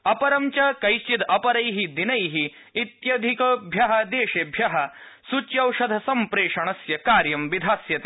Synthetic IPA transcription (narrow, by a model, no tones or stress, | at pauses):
ɐpɐɾɐmt͡ʃɐkɐjʃt͡ʃit̪ɐpɐɾɐjɦid̪inɐjɦi | it̪jɐd̪ʱikɐbʱjɐɦɐd̪eːʃebʱjɐɦɐsut͡ʃjɐwʂɐd̪ʱɐsɐmpɾeːʂɐɳɐsjɐkaːɾjɐmʋid̪ʱaːsjɐt̪eː